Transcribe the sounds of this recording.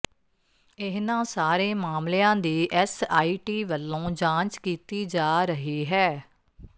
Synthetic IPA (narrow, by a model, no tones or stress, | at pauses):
ɪɦnãːsaːɾeːmaːmleãːd̪iːʔɛsaːiːʈiːʋəlːõːd͡ʒãːnt͡ʃkiːt̪iːd͡ʒaːɾəɦiːɦɛː